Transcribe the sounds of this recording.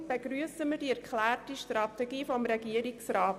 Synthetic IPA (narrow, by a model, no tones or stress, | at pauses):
b̥eɡɾyəsəmədiɛɾkʰlæːrtiʃtrɑtɛɡiːfɔmɾɛɡiəɾiksraːt